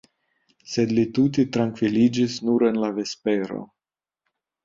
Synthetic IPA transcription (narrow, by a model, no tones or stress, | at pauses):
se̞d̪litut̪̬it̪ɾaŋkvilid͡ʒisnuɾe̞nlave̞spe̞ɾo̞̰